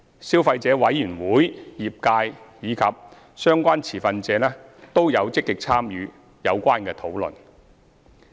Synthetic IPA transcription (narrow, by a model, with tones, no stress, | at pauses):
siː˥wfɐ˧jt͡sɛː˨˥wɐ˨˥jːyː˨˩nwuː˨˥jji˨p̚kaː˧jjiː˨˧kʰɐ˨p̚ | sœː˥ŋkʷaː˥nt͡sʰiː˨˩fɐ˧nt͡sɛː˨˧lɛː˥t̪o˥wjɐ˨˧wt͡sɪ˥kːɪ˨k̚t͡sʰaː˥mjyː˨˧ | jɐ˨˧wkʷaː˥nkɛː˧t̪ʰo˨˥wlɵ̰˨˩n